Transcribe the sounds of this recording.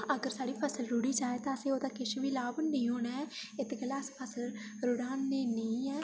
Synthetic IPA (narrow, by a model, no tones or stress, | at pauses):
əɡəɾsaːɽiːpʰəsəlɾʊɽiːd͡ʒaːeːt̪ãːəsẽːoːd̪aːkɪʃʋiːlaːbnə̃ĩːɦoːnaːɛːɪt̪ɡəlaːspʰəsəl | ɾʊɽaːnːeːnəĩːɛː